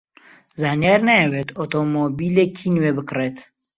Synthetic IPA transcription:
zaːnijaɾnajɛwet̪ot̪ʰomobilekʰinwebɨkret̪

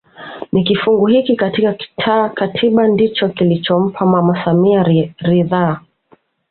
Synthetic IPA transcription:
nikifuŋɡuhikikatikaki̥tʰaːkatʰiɓandit͡ʃɔkilit͡ʃɔm̩pʰamwamasamiaɾiðaː

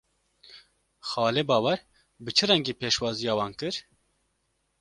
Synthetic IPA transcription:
xɑːleːbɑːwɛɾ | bɨt͡ʃʰɨɾɛŋɡeːpeːʃwɑːzijɑːwɑːnkɨɾ

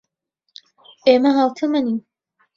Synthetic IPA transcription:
eːmɐɦaːwt̪ʰɐmɐniː

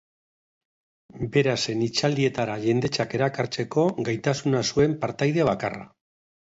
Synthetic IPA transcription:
be̞ɾase̞nit͡ʃald̪ie̞t̪aɾaʝe̞nd̪e̞t͡ʃake̞ɾakaɾt͡se̞ko̞ɡajt̪asunasue̞mpaɾt̪ajðe̞βakara̰

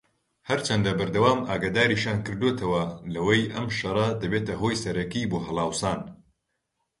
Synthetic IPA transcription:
hɐɾt͡ʃʰɐnd̪ɐbɐɾd̪ɐwaːmʔaːɡaːd̪aːɾiʃjaːnkɨɾd̪ot̪ʰɐwɐlɐwɐjʔɐmʃɐɾˤɐd̪ɐbeːt̪ɐɦoːjsɐɾɐkiboːɦɐlˠaːwsaːn

